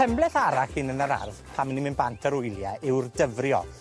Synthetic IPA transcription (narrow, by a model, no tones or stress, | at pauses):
ɛmblˠɛθaɾaxɨnənəɾa̰rð̥pʰamənimɪnbantʰəɾʊjlˠjaɪwrdəvrjɔ̰